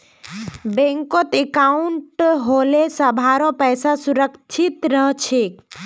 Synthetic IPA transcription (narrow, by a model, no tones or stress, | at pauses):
bẽŋkot̪ekauɳʈɦolesəbʱaɾɔ̃pəjsasuɾəkt͡ʃʰit̪ɾəɦt͡ʃʰek